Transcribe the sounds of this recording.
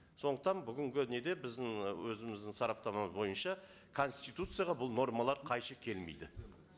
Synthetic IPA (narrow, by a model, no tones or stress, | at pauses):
so̞nd̪əq̚t̪ɑnbʏɡʲɪŋɡʲɪne̞d̪e̞bɪzd̪ɪŋwɵzɪmɪzd̪ɪŋsɑɾɑp̚t̪ɑməməzbo̞jənʃɑ | kʰo̞nst̪ijt̪ut̪sɨjaʁɑbʊlˠno̞rmɑlˠɑɾqʰɑjʃəkʲʰe̞lmḛjd̪ɪ